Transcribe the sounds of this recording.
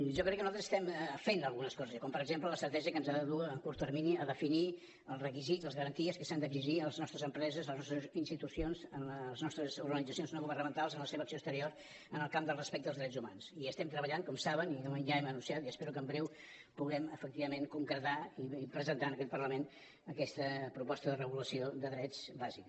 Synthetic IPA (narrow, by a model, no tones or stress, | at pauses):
ʒɔkɾɛkːənuat̪əzsə̥st̪ɛmfenəlˠɣunəskɔzəzkɔmpəɾəɡzemplələst̪əɾt̪ɛʒəkənzaðəðuːkuɾt̪ərminiəðəfini | əlˠzrəkizizəlˠzɣəɾənt̪iəskəsand̪əɡziʒiələznɔst̪ɾəzəmpɾɛzəzləznɔst̪ɾəzinst̪it̪usionzənləəznɔst̪ɾəzuɾɣənid͡zəsijonznoɣuβərnəmənt̪alˠzənləseβəksiost̪əɾioɾ | ənəlˠkamd̪əlˠrəspɛk̚d̪əlˠzðɾɛzuma̰nsiəst̪ɛmt̪ɾəβəʎaŋkɔmsaβəninonʒaɛmənũnsiat̪iəspɛɾukəmbɾɛw | puɣɛməfək̚t̪iβəmenkuŋkɾət̪aipɾəzənt̪aənəkɛt̪pərləmen | əkɛst̪əpɾupɔst̪əðərəɣuləsiod̪əðɾɛzbazik